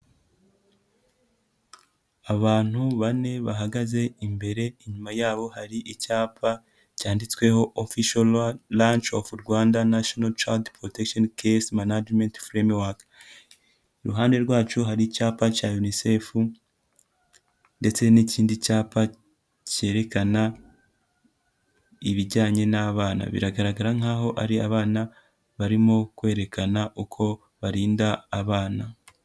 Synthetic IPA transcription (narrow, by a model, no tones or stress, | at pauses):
aβaːn̥huβane̞βaɦaɡaze̞imbe̞ɾe̞iɲumajaːβo̞haɾiʔicaːpʰa | caːndit͡swe̞ho̞ʔofiʃollant͡ʃofuɾɡwaːndanaʃonalt͡ʃa̰ldpɾo̞tekʃonkʰesmanad͡ʒmentfɾemwak | iɾuɦaːnde̞ɾɡwaːt͡ʃuɦaɾicaːpacajunise̞ːfu | nde̞t͡se̞niciːndicaːpa | ce̞ːɾe̞kana | iβiɟaːɲe̞naβaːna̰βḭɾaɡaɾaɡaɾaŋ̥aːɦo̞ʔaɾiaβaːna | βaɾimokwe̞ːɾe̞kʰanaʔukʰo̞ | βaɾiːndaːβaːna